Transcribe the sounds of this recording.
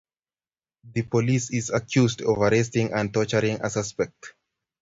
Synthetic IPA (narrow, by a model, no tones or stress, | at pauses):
ðɨpɔlisizakʰjuzdɔvaɹɛs̬tĩŋãn̚tɔt͡ʃəɹĩŋa̰saspɛk̚t